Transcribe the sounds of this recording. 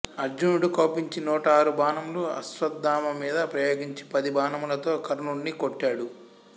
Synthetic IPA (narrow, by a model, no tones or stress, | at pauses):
ɐɾd͡ʒunuɽuko̞ːpiɲt͡ʃinuːʈɐaːɾubaːnɐmluɐ̰sʋɐd̪ːaːmɐmiːd̪ɐpɾɐjoːɡiɲt͡ʃi̥pɐd̪ibaːnɐmulɐt̪o̞ːkɐɾnuːɳːikoʈːaːɽu